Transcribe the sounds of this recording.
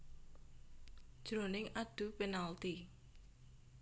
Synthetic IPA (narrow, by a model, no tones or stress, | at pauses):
d̥ʒ̥ɾonɪŋaɖ̪̥ṳpenalt̪i